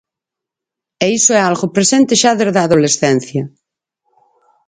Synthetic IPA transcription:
eisoɛalɣopɾesent̪eʃaðeɾðaðolesθɛn̟θja

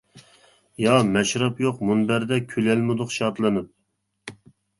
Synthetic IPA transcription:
jɑmɛʃɾɑpjoqmunbæɾd̪ɛkʲʰylɛlmɨd̪ʊqʃɑt̪lˠɨnɨp̚

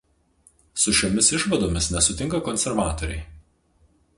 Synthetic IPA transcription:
sʊʃʲomʲɪsɪʃʋɐd̪oːmʲɪsnʲɛsʊt̪ʲɪŋkɐkɔnʲsʲɛɾʋɑːt̪ɔɾʲɛ̰ɪ

